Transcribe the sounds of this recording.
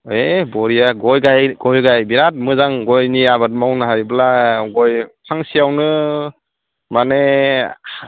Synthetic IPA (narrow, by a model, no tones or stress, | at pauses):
ebɔɾijaɡɔjɡajɡɔjɡajbiɾat̚mɯzaŋɡɔjniabat̚mawnɯɦajblaɡɔjpʰaŋsijawnɯ | mane